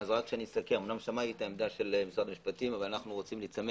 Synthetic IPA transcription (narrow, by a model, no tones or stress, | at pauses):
zoakʃeanisakeʁumnamʃamajit̪aemd̪aʃe̞lemisʁad̪amiʃpatimavalanaχnuʁo̞t͡simlit͡same